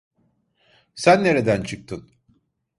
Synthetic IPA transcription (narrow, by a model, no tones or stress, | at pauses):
sænːe̞ɾed̪ænt͡ʃʰɯk̚t̪ʰɯn